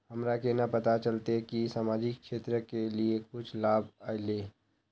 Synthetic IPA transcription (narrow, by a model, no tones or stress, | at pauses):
hɐmɾakenapɐt̪at͡ʃəlt̪ekisaːmaːd͡ʒɪkʃeːt̪ɾəkeliekʊt͡ʃʰlaːbʱaːjleː